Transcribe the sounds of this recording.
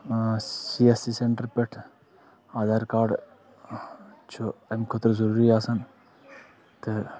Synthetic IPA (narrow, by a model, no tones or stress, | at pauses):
siesiseɳʈəɾpeʈʰ | aːd̪aːɾkaːɾɖ | t͡ʃʰuemkʰot̪ɾzɐɾuːɾiaːsɐn | t̪e